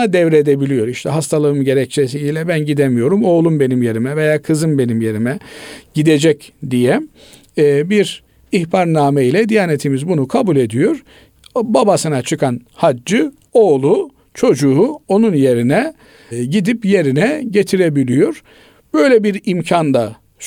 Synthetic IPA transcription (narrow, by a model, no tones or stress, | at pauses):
ad̪ɛvɾed̪ebilʲijo̞ɾiʃt̪ʰɛɦast̪ʰalˠɯɯmɟe̞ɾɛc̚t͡ʃʰesiilʲɛbænɟid̪emijo̞ɾumo̞ːlˠumbe̞nimje̞ɾimɛve̞jaːkʰɯzɯmbe̞nimje̞ɾimɛɟ̥id̪ed͡ʒɛcd̪ijɛ | biɾ | ihpʰaɾnaːmeilʲɛd̪ijaːne̞t̪ʰimizbunukʰabulʲe̞d̪ijo̞ɾ̥ | babasɯnat͡ʃʰɯkʰanhad͡ʒːɯ | o̞ːlˠu | t͡ʃʰo̞d͡ʒuuo̞nunje̞ɾinɛ | ɟid̪ipje̞ɾinɛɟe̞t̪ʰiɾebilʲijo̞ɾ̥ | b̥ø̞jlʲɛbiɾimcʰand̪a